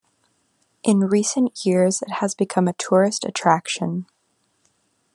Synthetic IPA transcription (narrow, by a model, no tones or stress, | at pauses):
ʔɨ̃nɹisɨ̃nʔjɪɹzɨt̚həzbɨkʰʌ̃mɨtʰʊɹɨstɨ̰tʰɹ̥ækʃɨ̰̃n